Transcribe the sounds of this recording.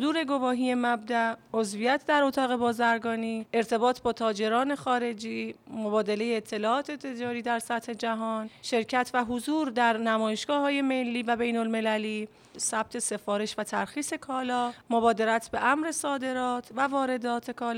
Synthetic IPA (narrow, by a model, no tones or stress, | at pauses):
d̪uːɾe̞ɡo̞vɒːɦiːje̞mæb̚d̪æozvijæt̪ʰd̪æɾot̪ʰɒːɣe̞bɒːzæɾɡɒːniːe̞ɾt̪ʰe̞bɒːt̪ʰbɒːt̪ʰɒːd͡ʒe̞ɾɒːne̞xɒːɾe̞d͡ʒiːmo̞bɒːd̪ele̞jeːt̪ʰːe̞lɒːʔɒːt̪ʰe̞t̪ʰe̞d͡ʒɒːɾiːd̪æɾsæt̪he̞d͡ʒæɦɒːnʃe̞ɾcʰæt̪ʰvæɦozuːɾd̪æɾnæmɒːjeʃɡ̥ɒːɦɒːje̞me̞lːiːvæbe̞jnolme̞læliː | sæb̥̚t̪ʰe̞se̞fɒːɾe̞ʃvæt̪ʰæɾxiːse̞kʰɒːlɒːmobɒːd̪e̞ɾæt̪ʰbe̞ʔæmɾe̞sɒːd̪e̞ɾɒːt̪ʰvævɒːɾe̞d̪ɒːt̪ʰe̞kʰɒːl